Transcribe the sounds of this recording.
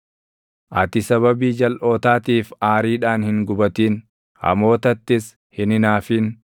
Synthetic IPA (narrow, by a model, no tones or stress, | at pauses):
ʔɐt̪ɪsɐβɐbiːd͡ʒɐlʔo̞ːt̪aːt̪iːfaːɾiːᶑaːnhɪŋɡʊbɐt̪iːn | hɐ̰mo̞ːt̪ɐt̪ːɪs | hɪnɪnaːfiːn